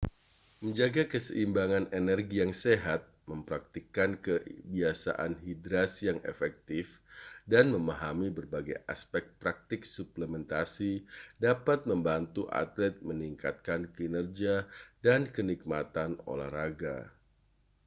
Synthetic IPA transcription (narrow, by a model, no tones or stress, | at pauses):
məɲd͡ʒaɡakəsəʔimbaŋanenɛrɡijaŋseɦat̪̚məmpɾak̚t̪ikankəbiasa̰ʔanɦidɾasijaŋḛfɛk̚t̪ɪfdanməmaɦamibərbaɡaja̰spɛk̚pɾak̚t̪ɪk̚supləmɛnt̪asidapat̪̚məmbant̪uʔa̰t̪lɛt̪̚məniŋka̰t̪̚kankəinərd͡ʒiadankənik̚mat̪ano̰la̰hraɡa̰